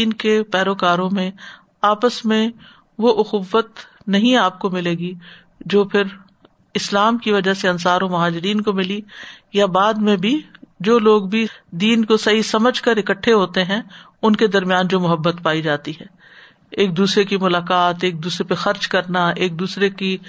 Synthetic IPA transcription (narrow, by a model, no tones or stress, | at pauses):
iːnkepɛːɾoːkaːɾõmẽ | aːpəsmẽ | ʋoʔʊxʊʋːət̪ | nɐɦĩaːp̚komɪleːɡi | d͡ʒoːpʰɪɾ | ɪslaːmkiʋɐd͡ʒaseɐ̃nsaːɾõmʊɦaːd͡ʒɪɾiːnkomɪlijabaːd̪mẽbʱid͡ʒoːloːɡbʱid̪iːnkosɐɦisɐməd͡ʒʱkɐɾɪkəʈʰːeɦoːt̪eɦɛ̃ | ʊnked̪ɐɾmjaːnd͡ʒoːmʊɦəbːət̪paːid͡ʒaːt̪iɦɛː | eːk̚d̪uːsɾekimʊlaːkaːt̪eːk̚d̪uːsɾepexɐɾt͡ʃkɐɾnaeːk̚d̪uːsɾeki